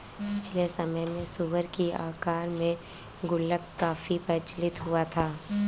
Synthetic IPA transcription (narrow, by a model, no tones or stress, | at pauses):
pɪt͡ʃʰlesɐməjmẽsuʋəɾkia̰ːkaːɾmẽ | ɡʊlːəkːaːfipɐt͡ʃlɪt̪ɦʊat̪ʰaː